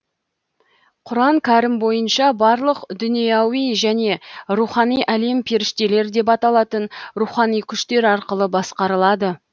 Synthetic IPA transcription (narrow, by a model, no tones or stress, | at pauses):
qʰʊɾɑɴkʲʰæɾɪmbo̞jənʃɑbɑɾlˠəqd̪ʏnijɑwijʒæne̞ɾuχɑnijʔæle̞mpʰeɾɪʃt̪e̞le̞ɾd̪e̞pɑt̪ɑlˠɑt̪ənɾuχɑnijkʲʰʏʃt̪e̞ɾɑɾqəlˠəbɑsqɑɾəlˠɑd̪ə